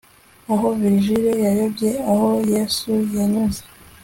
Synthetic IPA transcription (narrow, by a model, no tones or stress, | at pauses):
aɦo̞viɾiʒiɾejajobɟeaho̞jesujaɲuze